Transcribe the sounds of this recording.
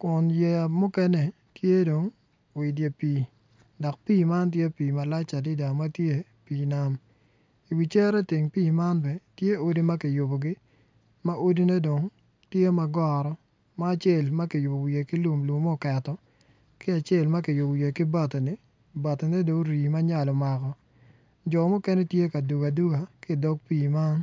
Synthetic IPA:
kʊ˨nje˨mu˦kɛ˦nɛ˨ | tje˦do˨ŋ | wɪ˨dje˨piː˨ | dɔ˨k̚piː˦˨ma˦nt̬je˦piː˨ma˨la˦t͡ʃa˨dɪ˦da˨ma˦tje˦ | piː˨na˦m | i˨wi˨t͡ʃɛ˦ɾɛ˦tɪ˨ŋpiː˦˨ma˦nbɛ˨tje˦o˦di˦ma˦kɪ˨jʊ˨bo˨ɡɪ˦ | ma˦ʔo˦di˦ne˦do˨ŋ | tje˦ma˨ɡɔ˨ɾɔ˦ | maː˦˨t͡ʃe˦˨lma˦kɪ˨jʊ˨bo˨wi˨je˨kɪ˦lu˨mlu˨mɔ˦˨kɛ˨tɔ˦ | kɪ˦a˨t͡ʃe˦˨lma˦kɪ˨jʊ˨bje˨kɪ˦ba˨te˨nɪ˨ | ba˨te˨ne˦do˨ŋɾiː˨ma˦ɲa˦lɔ˨ma˨kɔ˨ | d͡ʒɔ˨mʊ˦kɛ˦nɛ˦tje˦ka˨du˨ɡa˨du˦ɡa˨kɪ˦˨dɔ˦k̚piː˦˨ma˦n

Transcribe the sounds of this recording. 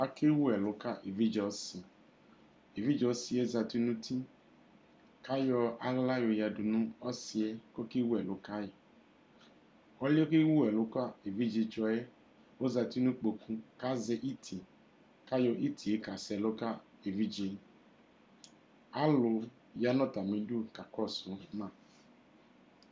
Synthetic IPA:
a˨˦ke˦wu˦ɛ˨lo˨˦ka˦ʔe˨vi˦d͡ʒɔ˧˦si˨ | e˨vi˦d͡ʒɔ˧˦si˧ɛ˦za˧ti˦nũ˦tʰi˦ | ka˦jɔ˧a˨˦la˦jo˧ja˧du˨nũ˦ɔ˦si˧ɛ˦ko˦ke˦wu˦ɛ˨lo˨˦ka˦jɛ˨ | ɔ˦li˦o˦ke˦wu˦ɛ˨lo˨˦ka˦e˨vi˦d͡ʒe˧t͡ʃɔ˧ɛ˦ | o˦za˧ti˦nũ˦k͡po˧kũ˧˦ka˦zɛ˧ʔi˦tʰi˨ | ka˦jɔ˧ʔi˦ti˨e˨˦ka˨sɛ˨˧˨lo˦ka˦e˨vi˦d͡ʒe˧ | a˨˦lo˧ | ja˨˦nɔ̃˦˨ta˨mĩ˨du˦˨ka˨kɔ˦˨sũ˨˦mã˦˨

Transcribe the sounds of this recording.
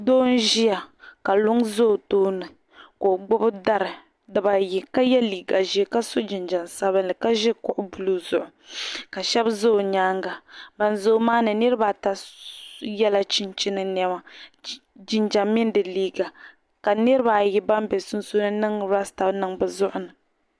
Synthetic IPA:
doː˦n̩˦ʒi˦ja˨ka˨lʊ˦ŋzo˦˨toː˦nɨ˨ | koː˨ɡ͡bʊ˦bɨ˦da˦ɾɨ˨ | dɨ˨ba˨ji˨ka˦jɛ˦liː˨ɡa˨ʒi˨˦˨ka˦so˦d͡ʒi˨nd͡ʒa˨nsa˦βɨ˦nlɨ˨ka˦ʒɛ˦kʊ˨ʔʊ˦bu˨lu˦zʊ˨ʔʊ˨ka˨ʃɛ˦bzo˦˨ɲaː˦ŋɡa˨ba˨nzo˦maː˦nɨ˨nɨ˦ɾɨ˦ba˨ta˦ | jɛ˦la˦t͡ʃi˦nt͡ʃi˦nɨ˦nɛ˦ma˦ | d͡ʒɪ˨nd͡ʒa˨mːɪ˦n˦dɨ˨liː˦ɡa˨ | ka˨nɨ˦ɾɨ˦ba˨ji˦ba˦mbɛ˨sʊ˦nso˦nɨ˦nɨ˦ŋɾa˦sta˨bnɨ˦ŋbɨ˨zʊ˦ʔʊ˦nɨ˨

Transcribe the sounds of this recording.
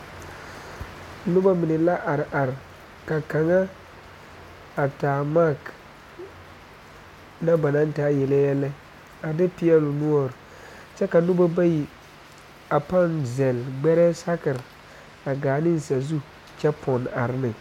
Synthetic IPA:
nʊ˦ba˦mɪ˨nɛ˨la˦ʔa˨ɾʔa˨ɾ | ka˨ka˨ŋa˦ | a˨taː˨ma˦˨k | na˦ba˨na˦n˦taː˦jɛ˨lɛ˦jɛ˦lɛ˦ | a˨dɪ˦pi˦ɛ˦lʊ˨nu˦ɔ˨ɾ | t͡ʃɛ˦ka˨nʊ˦ba˦ba˦ji˨ | a˨pa˦˨nzɛ˨lɡ͡bɛ˦ɾɛː˦sa˦kɪ˨ɾ | a˨ɡaː˨nɪ˦n˨sa˨zu˦ | t͡ʃɛ˦pʰɔ˨na˨ɾɪ˦nɪ˨

